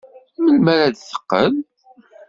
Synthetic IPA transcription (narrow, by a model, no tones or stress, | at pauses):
məlmæɾæd̪θə̥qːə̰m